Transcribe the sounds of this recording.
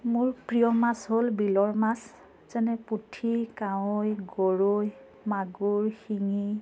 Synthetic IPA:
mʊɹpɹijɔmasɦolbilɔɹmas | z̥ɛnɛputʰikawojɡoɹoj | maɡuɹxiŋi

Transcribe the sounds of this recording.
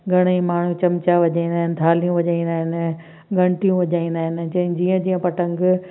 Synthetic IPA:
ɡʱɐɽ̃əĩmaːɳ̤ũt͡ɕɐmt͡ɕaʋɐʄaːĩnd̪aːɦɪnɪt̪ʰaːlijũʋɐʄaːĩnd̪aːɦɪnɪ | ɡʱɐ̃ɳ̃ʈijũʋɐʄaːĩn̆d̪aːɦɪnɪd͡ʑɐ̃d͡ʑiːə̃d͡ʑiːə̃pɐʈə̃ŋɡ

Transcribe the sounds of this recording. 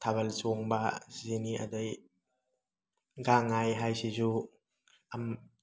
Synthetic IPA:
t̪ʰabalsuŋbaziniʔa̰d̪aj | ɡaŋːajɦajsizu | ʔam

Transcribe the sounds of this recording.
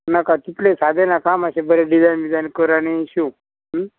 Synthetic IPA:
nakat̪it̪lesad̪ʱenakamaɕebəɾeɖizajnʋid͡zajnkəɾaniɕũ | ɦ

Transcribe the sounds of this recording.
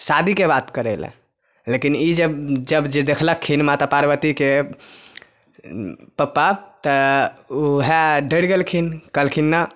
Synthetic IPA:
sad̪ʱikebat̪kəɾələ̰̃ | lekinid͡ʒəbd͡ʒəbd͡ʒed̪ekʰləkʰːinmat̪apaɾbət̪ike | pəpːat̪əuɦeɖəɽɡelkʰinkəlkʰinːa

